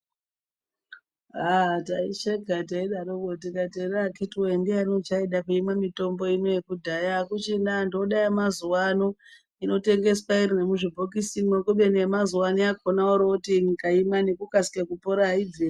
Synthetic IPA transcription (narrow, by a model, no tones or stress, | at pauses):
atait͡ʃeɡʱat̬aiɗaɾokotikaterakitwendianot͡ʃaiɗakuimamito̞mbo̞ino̞jekudʱajakut͡ʃindandoɗajamazuwano | ino̞te̞ŋɡe̞swaiɾinemuʐibʱokisinmokuɓenemazuwaniakʰonaoɾotiŋkaimanekukasi̥kekupoɾaid͡zi